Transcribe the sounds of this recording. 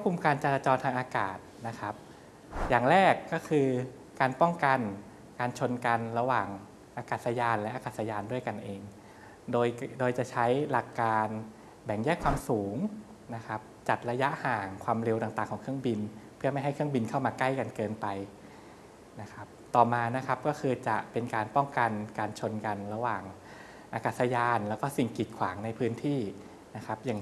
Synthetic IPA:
pkʰu˧mkaː˧nt͡ɕa˧laː˧t͡ɕɔː˧nt̪ʰaː˧ŋʔaː˧ka̰ː˨˩t̪̚na˦˥kʰa˦˥p̚ | jaː˨˩ŋɾɛː˥˩kːɔː˥˩kʰɯː˧ | kaː˧npɔ˥˩ŋka˧n | kaː˧nt͡ɕʰo˧nka˧nɾa˧waː˨˩ŋ | ʔaː˧kaː˨˩t̪̚sa˧jaː˧nlɛ˦˥ʔaː˧ka˨˩sa˧jaː˧ndu˥˩əjka˧nʔeː˧ŋ | doː˧jdoː˧jt͡ɕa˨˩ʔt͡ɕʰa˦˥jla˨˩kːaː˧n | bɛ˨˩˦ŋjɛː˥˩jkʰwaː˧msuː˩˦ŋ | na˦˥kʰa˦˥p̚t͡ɕa˨˩t̪̚ɾa˧ja˦˥ʔhaː˨˩ŋkʰwaː˧mɾe˧wt̪aː˨˩t̪aː˨˩ŋʰɔː˩˦kʰɯ˥˩əŋbi˧npʰɯ˥˩ɐma˥˩jɦa˥˩jkʰɯ˥˩əŋbi˧nkʰa˥˩wmaː˧kla˥˩jka˧nkɤː˧npa˧j | na˦˥kʰa˦˥p̚t̪ɔː˨˩maː˧na˦˥kʰa˦˥p̚kɔː˥˩kʰɯː˧t͡ɕa˨˩ʔpe˧nkaː˧npɔ˥˩ŋka˧nkaː˧nt͡ɕʰo˧nka˧nɾa˧waː˨˩ŋ | ʔaː˧kaː˨˩t̪sa˧jaː˧nlɛ˦˥wkɔː˥˩si˨˩ŋki˨˩t̪̚kʰwaː˩˦ŋna˧jpʰɯː˦˥nt̪ʰiː˥˩ | na˦˥kʰa˦˥p̚jaː˨˩

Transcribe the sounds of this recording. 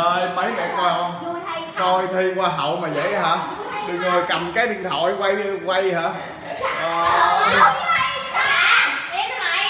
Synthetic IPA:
əː˧jmə˨˦jnɛ̰˨˩kɔ˧m | kɔ˧jt̪ʰi˧kwaː˧ɦə̰˧˨wmaː˨˩zə̰˧˨jɦaː˨˥ | ɓə˧ŋəː˨˩ka˨˩mkaː˨˦jɗḭ˨˧˨əŋt̪ʰo̰˧˩jkwa˧jkwa˧jhaː˨˥˦ | ʔəː˨˩˧

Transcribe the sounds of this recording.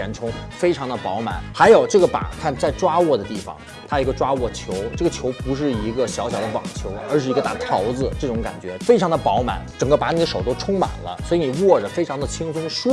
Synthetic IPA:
ɛ˧˥nʈ͡ʂʰʊ˥ŋfe˥ɪʈ͡ʂʰɑ˧˥ŋd̪ə˧pɑ˧˥ʊma̰˨˩nxa˧˥ɪjo˨˩ʊʈ͡ʂɤ˥˩ɡə˩pa̰˨˩kʰa˥˧nt͡sa˥˩ɪʈ͡ʂwa˥wɔ˥˩d̪ə˩t̪i˥˩fɑ̰˩ŋ | t̪ʰa˥i˧˥ɡə˧ʈ͡ʂwa˥wɔ˥˩t͡ɕʰjo˧˥ʊʈ͡ʂɤ˥˩ɡə˩t͡ɕʰjo˧˥ʊpu˧˥ʂ̬ɻ̩˥˩i˧˥ɡə˧ɕjɑ˧˥ʊɕjɑ˨˩ʊd̪ə˦pɑ̰˨˩ŋt͡ɕʰjo˧˥ʊə˞˧˥ʂɻ̩˥˩i˧˥ɡə˧t̪a̰˥˩t̪ʰɑ˧˥ʊd͡zɹ̩˧ʈ͡ʂɤ˥˩ʈ͡ʂʊ˧˥ŋka̰˨˩nt͡ɕɥɛ˧˥fe˥ɪʈ͡ʂʰɑ˧˥ŋd̪ə˧pɑ˧˥ʊma̰˨˧˩nʈ͡ʂɤ˨˩ŋkə˥˩pa˧˥ni˨˩ə˦ʂo˨˩ʊt̪o˥ʈ͡ʂʰʊ˥ŋma̰˨˩nlə̰˦swi˧˥ni˨˩wɔ˥˩ʈ͡ʂə˩fe˥ɪʈ͡ʂʰɑ˧˥ŋd̪ə˨t͡ɕʰi˥ŋsʰʊ˥ŋʂ

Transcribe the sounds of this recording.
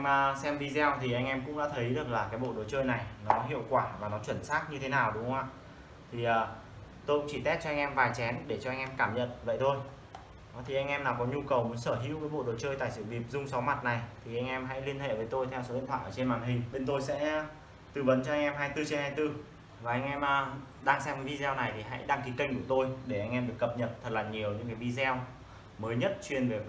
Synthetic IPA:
mː˧sɛ˧mvi˧zɛ˧wt̪ʰi˨˩ʔa˧jŋ̟ʔɛ˧mkʊ̰˧˥ŋ͡mɗa̰ː˧˥t̪ʰə˨˦jɗɨ˨˩ək̚laː˨˩kaː˨˦jɓo̰˧˨ɗo˨˩t͡ɕəː˧jna˨˩jnɔ˨˦ɦḭ˧˨əwkwaː˧˩vaː˨˩nɔ˨˦t͡ɕwə˧˩nsaː˦˥t̚ɲɨ˧t̪ʰe˨˦naː˨˩wɗʊ˨˦ŋ͡mwa̰ː˧˨ | t̪ʰi˨˩ʔəː˨˩ | t̪o˧jkʊ̰˧˥ŋ͡mt͡ɕi˧˩t̪ɛ˦˥t̚t͡ɕɔ˧ʔa˧ŋ̟ʔɛ˧mvaː˨˩jt͡ɕɛ˨˦nɗe˧˩t͡ɕɔ˧ʔa˧ŋ̟ʔɛ˧mkaː˧˩mɲə̰˧˨nvə̰˧˨jt̪ʰo˧j | ɔ˨˦t̪ʰi˨˩ʔa˧jŋ̟ʔɛ˧mnaː˨˩wkɔ˨˦ɲu˧kə˨˩wmu˨˦ənsəː˧˩ɦḭ˧˥wkaː˨˦jɓo̰˧˨ɗo˨˩t͡ɕəː˧jt̪a̰ː˧˨jsɨ̰˧˨ɗi˨˩əp̚zʊ˧ŋ͡msɔ˨˦wma˨˩t̚na˨˩jt̪ʰi˨˩ʔa˧jŋ̟ʔɛ˧mɦa̰˧˥jli˧ənɦḛ˧˨vəː˨˦jt̪o˧jt̪ʰɛ˧wso˨˦ḭ˧˨nt̪ʰwa̰ː˧˨ʔəː˧˩t͡ɕe˧nmaː˨˩nɦï˨˩ŋ̟ɓe˧nt̪o˧jsɛ̰˧˥ | t̪ɨ˨˩və˨˦nt͡ɕɔ˧ʔa˧ŋ̟ʔɛ˧mɦaː˧jt̪ɨ˧t͡ɕe˧nhaː˧jt̪ɨ˧ | vaː˨˩ʔa˧jŋ̟ʔɛ˧mʔəː˧ | ɗaː˧ŋsɛ˧mkaː˨˦vi˧zɛ˧wna˨˩jt̪ʰi˨˩ɦa̰˧˥jɗa˧ŋki˨˦kə˧jŋ̟ku˧˩ət̪o˧jɗe˧˩ʔa˧jŋ̟ʔɛ˧mɗɨ˨˩əkːə˨˩p̚ɲə˨˩t̚t̪ʰə˨˩t̚laː˨˩ɲi˨˩əwɲɨ̰˧˥ŋkaː˨˦jvi˧zɛ˧w | məː˨˦jɲə˦˥t̚t͡ɕwi˨˩ənve˨˩

